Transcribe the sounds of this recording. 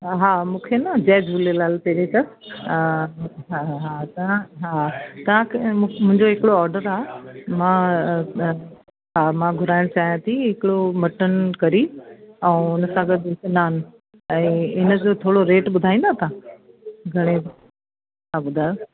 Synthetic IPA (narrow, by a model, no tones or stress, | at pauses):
ɦaːmũːkʰenãːd͡ʑɛːd͡ʑʱuːlelaːlpɛɾekɐ | ɦaɦat̪ɐãɦat̪ɐʋ̤ãkemʊ̃ɦɪ̃ɲd͡ʑoɦɪkɪɽoɔːɾɖəɾaːmã | ɦaːmãːɡʱʊɾaːɪɽ̃t͡ɕaːɦijãt̪ʰiɦɪkɪɽomɐʈənkɐɾiɛ̃ʊnəsãɡɐd̪kenaːn | ɛ̃ːɪnə̆d͡ʑot̪ʰoːɽoɾeːʈɓʊd̪ʱaːĩnd̪at̪ã | ɡʱɐɽ̃e | ɦaːɓʊd̪ʱaːjo